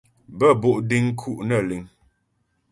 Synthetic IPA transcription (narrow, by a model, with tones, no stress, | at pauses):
bə˦˨bo˦˨ʔdi˦ŋ˦kʰu˦ʔnə˦˨li˨˦ŋ